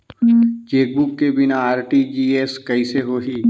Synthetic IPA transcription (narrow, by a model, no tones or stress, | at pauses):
t͡ʃeːk̚bukːebɪnaaːɾʈid͡ʒiːeːskɐiseɦoːɦiː